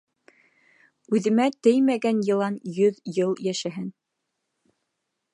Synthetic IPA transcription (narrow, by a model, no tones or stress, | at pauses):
ʉðɘ̆mæt̪ɘjmæɡænjɤ̆lˠɑnjɵðjɤlˠjæʃæɦɘn